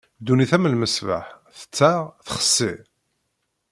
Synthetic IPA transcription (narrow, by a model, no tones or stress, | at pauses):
d̪uniθæməlməsva̰ħθə̥t͡sːaʁθəχə̥sːi